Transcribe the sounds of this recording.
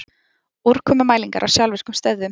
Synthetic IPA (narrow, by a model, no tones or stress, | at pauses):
uɾ̥kʰɔmʏmaːjliŋkaɾʔawsjawlvɪskʏmst̪ɛððʏm